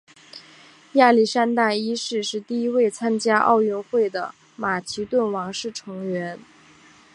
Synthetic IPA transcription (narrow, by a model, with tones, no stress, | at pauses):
ja˥˩li˥˩ʂa˥nt̪a˥˩i˥ʂɻ̩˥˧ʂɻ̩˥˧t̪i˥˩i˥we˥˩ɪt͡sʰa˥nt͡ɕja˥ʔɑ̰˥˧ʊɥɛ˥˧nxwe˥˩ɪd̪ə̰˩ | ma˨˩t͡ɕʰi˧˥t̪wə˥˩nwɑ˧˥ŋʂɻ̩˥˩ʈ͡ʂʰɤ˧˥ŋɥɛ˧˥n